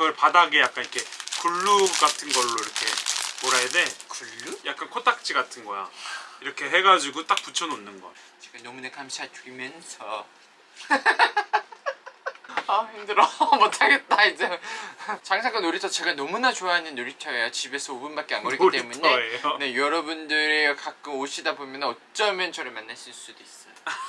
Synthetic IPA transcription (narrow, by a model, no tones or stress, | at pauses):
ɯɡʌɭpadaɡejak͈̚anikʰe̞kuɭːuɡatʰɯnɡʌɭːoiɾʌkʰe̞moɾaede̞kuɭːujak͈̚ankʰotʰak̚t͡ɕ͈iɡatʰɯnɡʌ̰ja̰iɾʌkʰe̞ɦe̞ɡad͡ʑiɡut͈ak̚p͈ut͡ɕʰʌnonːɯnɡʌ̰t͡ɕeɡanʌmunakamɕʰatimjʌnsʰʌ | ʌhiŋdɯɾʌmʌtʰaɡet̚t͈aid͡ʑe | t͡ɕaŋsʰaŋk͈anoɾitʰʌt͡ɕe̞ɡanʌmunat͡ɕoaɦanɯnːoɾit͡ɕʰʌejot͡ɕibe̞sʰʌobunbak͈̚eanɡʌɾikit͈emune̞ne̞jʌɾʌbundɯɾekak͈ɯmoɕʰidabomjʌnɯnʌt͡ɕ͈ʌmjʌnt͡ɕʰʌɾemanːaɕʰiɭs͈udois͈ʌjo